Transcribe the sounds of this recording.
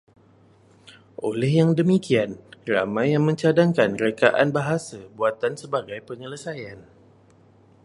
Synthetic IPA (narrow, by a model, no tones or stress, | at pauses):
ʔolɛhjaŋdəmĩkianra̰mãjːaŋmə̃ɲt͡ʃadaŋkanrekaʔanbaɦasabuat̪ansəbaɡajpəɲələsajan